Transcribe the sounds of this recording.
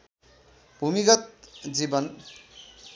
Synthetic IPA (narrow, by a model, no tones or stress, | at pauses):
bʱumikʌt̪̚d͡zibʌn